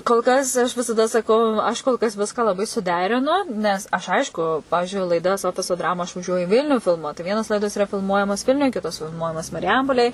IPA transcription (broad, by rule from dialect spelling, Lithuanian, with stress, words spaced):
koːlˠ ˈkɐs ɐʃ ʋʲɪsɐˈdɐ sɐˈkɐʊ ˈɐʃ koːlˠ kɐs ˈʋʲɪskɑː lˠɐˈbɐɪ sʊˈdʲæːrʲɪnʊ nʲɛs ˈɐʃ ˈɐɪʃkʊ ˈpɑːʋʲɪʒʲʊɪ lˠɐɪˈdɐs ˈoːfʲɪsoː ˈdrɑːmʊ ɐʃ ʋɐˈʒʲuɔjʊ ɪ ˈʋʲɪlʲnʲʊ fʲɪlˠˈmuɔt tɐɪ ˈʋʲiɛnoːs ˈlˠɐɪdoːs ɪˈrɐ fʲɪlˠˈmuɔjɛmoːs ˈʋʲɪlʲnʲʊj ˈkʲɪtoːs fʲɪlˠˈmuɔjɛmoːs mɐrʲɪˈjɛmpoːlʲeːj